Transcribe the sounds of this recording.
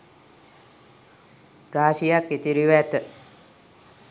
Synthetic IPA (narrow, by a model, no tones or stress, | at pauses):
ɾaːʃijakːet̪iɾiʋæt̪ə